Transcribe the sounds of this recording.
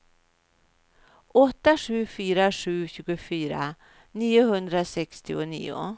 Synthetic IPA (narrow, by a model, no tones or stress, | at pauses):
ʔɔt̪ːaʂʉ̟ːfyːɾaʂʉ̟ːɕʉ̟ːɡʊfyːɾa̰ | niːʊhɵnd̪ɾasɛkst̪ɪʊnḭːʊ̰